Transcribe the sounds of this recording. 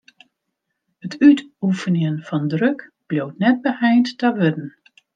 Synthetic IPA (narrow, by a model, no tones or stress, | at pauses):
ətytufənjənfɔndrøkb̥ljowtnɛt̚bəhɛjntːaʋødən̩